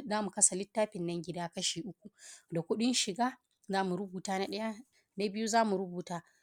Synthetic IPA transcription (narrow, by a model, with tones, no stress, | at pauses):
zaː˦mu˨kɐ˦sa˨lɪ˦tːaː˦ɸɪ˨nːɐ˦ŋɡʲɪ˦daː˦kɐ˦ʃiː˨ʔʊ˦kʷu˨da˨kʷʊ˦ɗɪ˦nʃɪ˨ɡaː˦ | zaː˦mu˨ɾʊ˦buː˨taː˦na˦ɗɐ˦ja˦ | na˦bɪ˦ju˦zaː˦mu˨ɾʊ˦buː˨taː˦